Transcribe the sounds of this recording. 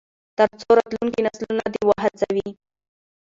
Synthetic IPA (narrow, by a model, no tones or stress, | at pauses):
t̪əɾt͡soɾat̪lunkinaslunad̪ewaɦɪt͡sawi